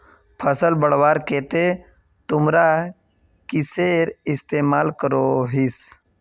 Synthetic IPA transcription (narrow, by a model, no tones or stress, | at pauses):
pʰəsəlbəɽwaːɾkeːt̪e | t̪ʊmɾa | kɪseːɾɪst̪eːmaːlkəɾoɦis